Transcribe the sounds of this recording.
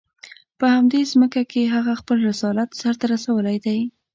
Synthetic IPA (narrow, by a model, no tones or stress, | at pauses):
pəhamd̪ezməkakeɦaɣaxpəlɾɪsɑlat̪saɾt̪aɾasawəlajd̪aj